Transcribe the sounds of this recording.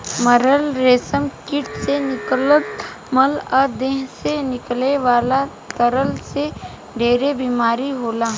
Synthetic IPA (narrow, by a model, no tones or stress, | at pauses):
məɾəlɾeːsəmkɪʈsenɪklət̪ | məlɔːd̪eːɦsenɪkleʋaːla | t̪əɾəlse | ɖʱeːɾebiːmaːɾiɦoːlaː